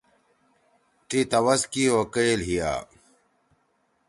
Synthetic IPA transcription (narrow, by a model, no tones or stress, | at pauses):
ʈit̪ɐwɐskiokeːlɦija̰ː